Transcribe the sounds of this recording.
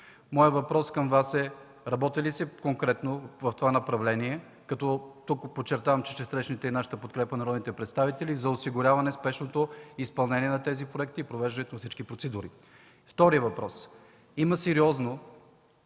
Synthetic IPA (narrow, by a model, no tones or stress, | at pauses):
mɔjəvɐpɾɔskəmvasɛ | ɾɐbɔt̪ilisɛkoŋkɾɛt̪novəft̪ovanɐpɾɐvlɛniɛ | kɐt̪ɔt̪ukpot͡ʃːɛɾt̪avɐmt͡ʃɛʃɛsɾɛʃnit̪ɛinaʃə̥t̪əpot̪kɾɛpənɐɾɔd̪nit̪ɛpɾɛt̪st̪avit̪ɛlizɐosiɡʊɾʲavɐnɛspɛʃnot̪oispɐlˠnɛniɛnɐt̪ɛzipɾoɛkt̪iːpɾovɛʒd̪ɐnɛt̪onfsit͡ʃkipɾot̪sɛd̪uɾi | ft̪ɔɾiəvɐpɾɔs | iməsɛɾiɔzno